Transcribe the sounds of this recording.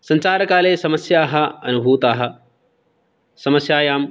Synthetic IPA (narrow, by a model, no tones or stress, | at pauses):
sɐɲt͡ʃaːɾɐkaːleːsɐmɐsjaːɦɐɐnubʱuːt̪aːɦɐ̆ | sɐmɐsjaːjaːm